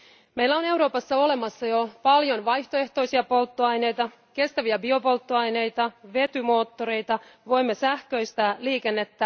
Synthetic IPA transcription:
me̞ilːæone̞wɾo̞ːpɑsːɑo̞le̞mɑsːɑjo̞pɑljo̞nʋɑjçt̪oe̞ht̪o̞jsiɑpo̞lt̪ːoɑjne̞jt̪ɑ | ke̞st̪æʋiæbio̞po̞lt̪ːoɑjne̞jt̪ɑʋe̞t̪ymo̞ːt̪ːoɾe̞jt̪ɑʋo̞jmːesæhkø̞jst̪æliːke̞nːe̞t̪ːæ

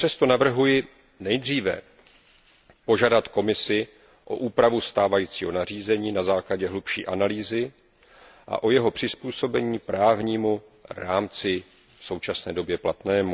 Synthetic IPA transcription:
pr̥ɛst̪o̞navr̩ɦujɪ | nɛjd̪r̝iːvɛ̰ | po̞ʒadat̪ko̞mɪsɪ | ʔo̞ʔuːpɾavust̪aːvajiːt͡siːɦo̞nar̝iːzɛɲiːnazaːklaɟɛɦlupʃḭːʔanaliːzɪ | ʔa̰ʔo̞jɛɦo̞pr̝̥ɪspuːso̞bɛɲiːpɾaːvɲiːmu | ɾaːmt͡sɪ | fso̞wt͡ʃasnɛːdo̞bjɛplat̪nɛːmu

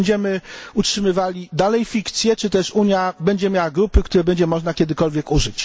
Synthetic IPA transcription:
ɲd͡ʑɛmɘutʂɘmɘvalʲid̪alɛjfʲikt̪sʲjɛt͡ʂɘt̪ɛʂuɲjabɛɲd͡ʑɛmʲjawaɡɾupɘkt̪uɾɛbɛɲd͡ʑɛmɔʐnakʲɛd̪ɘkɔlvʲjɛkuʐɘt͡ɕ

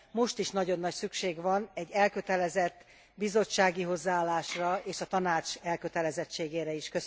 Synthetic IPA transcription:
mo̞ʃt̪iʃnɒɟo̞nːɒcsykʃeːɡʋɒnɛɟːɛlkøt̪ɛlɛzɛt̪ː | bizo̞t͡ʃːaːɡiɦo̞zːaaːlːaːʃrɒeːʃɒt̪ɒnaːt͡ʃɛlkø̞t̪ɛlɛzɛt͡ʃːeːɡeːɾɛiʃkø

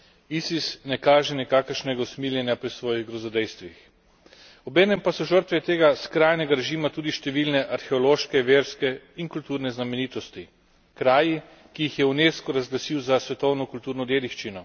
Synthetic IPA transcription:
isisnɛkaːʒɛnɛkaːkəɾʃnɛɡawsmiljɛnʲjapɾisʋɔːjiɣɡɾɔzɔd̪ɛjst̪ʋix | ɔbɛːnɛmpasɔʒəɾt̪ʋɛt̪eːɡaskɾaːjnɛɡaɾɛʒimat̪uːd̪iʃt̪ɛʋilnɛʔaɾxɛɔloːʃkɛʋeːɾskɛ | iŋkult̪uːɾnɛznamɛniːt̪ɔst̪i | kɾaːji | kijixjɛuneskɔɾazɡlasiwzasʋɛt̪ɔwnɔkult̪uːɾnɔd̪jeːd̪iʃt͡ʃinɔ

